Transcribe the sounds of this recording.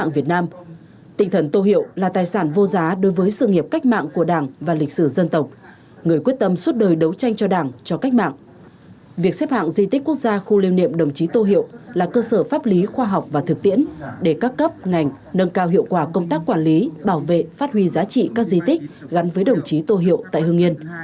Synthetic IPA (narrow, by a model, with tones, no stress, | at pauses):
a̰ː˧˨vi˨˩ət̚naː˧m | t̪ï˨˩ŋ̟t̪ʰə˧˩nt̪o˧hḭ˧˨əwlaː˨˩t̪aː˨˩jsaː˧˩nvo˧zaː˨˦ɗo˨˦jvəː˨˦jsɨ̰˧˨ŋi˨˩əp̚ka˦˥k̟̚ma̰ː˧˨ŋku˧˩əɗaː˧˩ŋvaː˨˩lï˨˩k̟̚sɨ˧˩zə˧nt̪ə˨˩wk͡p̚ | ŋɨ˨˩əjkwət̚t̪ə˧mswu˦˥t̚ɗəː˨˩jɗə˨˦wt͡ɕa˧jŋ̟t͡ɕɔ˧ɗaː˧˩ŋt͡ɕɔ˧ka˦˥k̟̚ma̰ː˧˨ŋ | vi˨˩ək̚sɛ˦˥p̚ha̰ː˧˨ŋzi˧t̪i˦˥k̟kːwu˦˥ək̚zaː˧xu˧li˧wnḭ˧˨əmɗə˨˩wŋ͡mt͡ɕi˨˦t̪o˧ɦḭ˧˨əwlaː˨˩kəː˧səː˧˩faː˦˥p̚li˨˦xwaː˧ɦwk͡p̚vaː˨˩t̪ʰɨ˨˩k̚t̪ḭ˧˥ənɗe˧˩kaː˦˥kːə˦˥p̚ŋa˨˩jŋ̟ | nə˧nkaː˧wɦḭ˧˨əwkwaː˧˩kə˧wŋ͡mt̪aː˦˥kːwaː˧˩nli˨˦ɓaː˧˩wvḛ˧˨faː˦˥t̚hwi˧zaː˨˦t͡ɕḭ˧˨kaː˦˥k̚zi˧t̪ï˦˥k̟̚ɣa˨˦nvəː˨˦jɗə˨˩wŋ͡mt͡ɕi˨˦t̪o˧ɦḭ˧˨əwt̪a̰ː˧˨jhɨ˧əŋi˧ən